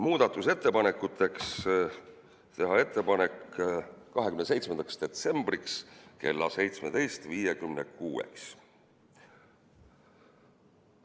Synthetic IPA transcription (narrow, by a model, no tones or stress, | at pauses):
muːd̪̥ɑt̪ːˑuse̞t̪ːe̞pɑne̞kːˑut̪ʰːˑe̞ks | t̪e̞ɦɑe̞t̪ːˑe̞pɑne̞k | kɑɦekymnse̞jt̪smend̪ɑksd̪̥e̞t̪se̞mb̥rikske̞lːɑ̰se̞jt̪smed̪̥e̞jst̪viːje̞kymnekuːḛks